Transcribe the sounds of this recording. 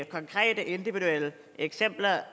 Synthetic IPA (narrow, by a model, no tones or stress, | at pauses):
kʰɒ̽ŋkʰʁɛ̰ːd̥əʔe̝nd̥iʋiɾuel̰ə | eɡ̥sem̰b̥lɐ